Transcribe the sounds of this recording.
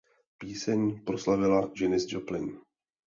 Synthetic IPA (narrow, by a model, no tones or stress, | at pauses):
piːsɛɲpɾo̞slavɪlaʒɛnɪzd͡ʒoplɪn